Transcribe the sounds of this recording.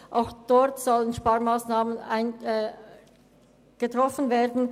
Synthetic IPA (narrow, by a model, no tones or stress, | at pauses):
ʔaʊxd̥ɔʁtz̥ɔlənʃpaːɐmaːsnaːmənaɪnɛ | ɡ̥ətʁ̥ɔfən̩veːdn̩